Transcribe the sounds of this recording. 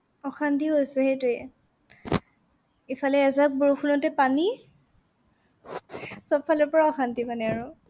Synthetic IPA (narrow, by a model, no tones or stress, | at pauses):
ɔxantiɦojsɛhejtuɛ | ifʰalɛːzak̚boɹuxʰunɔtɛpani | sɔbfʰalɔpɔɹaɔxantipanɛaɹʊ